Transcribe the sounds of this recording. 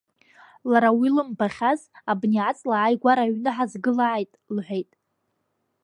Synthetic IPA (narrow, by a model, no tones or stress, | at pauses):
laɾawilɨmbaχʲazabniʕat͡sʼlaʕajɡʷaɾaɥnɨħazɡɨlaʕajtʼlħʷᶣejtʼ